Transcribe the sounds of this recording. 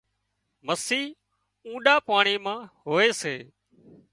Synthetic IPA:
məsiː | ũːɗaːpaːɳiːmãːɦoːeːseː

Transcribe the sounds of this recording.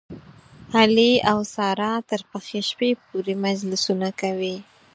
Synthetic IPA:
haliawsɑɾɑt̪əɾpəxeʃpep̚oɾemad͡ʒlɪsunakawi

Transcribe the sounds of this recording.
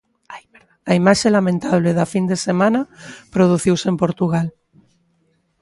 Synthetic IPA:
a | ɾaaimaʃelamẽnt̪aβ̞leðafind̪esemãnapɾoðuθiwsempoɾt̪uɣ̞al

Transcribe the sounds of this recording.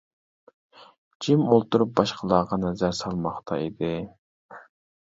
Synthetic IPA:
d͡ʒimolˠt̪uɾup̚bɑʃqʰəlˠɑːʁɑnɛzæɾsɑlˠmɑχt̪ʰɑ̰id̪ɪ

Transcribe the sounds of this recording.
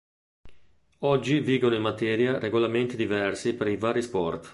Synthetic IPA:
ɔd͡ʒːiviːɡonoimːat̪ɛːɾjareɡolament̪id̪ivɛrsipeɾivaːɾispɔrt̪

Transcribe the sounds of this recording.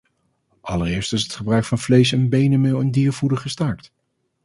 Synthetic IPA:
ʔɑləɾɪːɹstɪsətχəbrœɥkfɑnvlejs̬ɛnbejnəmɪlˠɪndiːɹvudəχəstaːɹkt

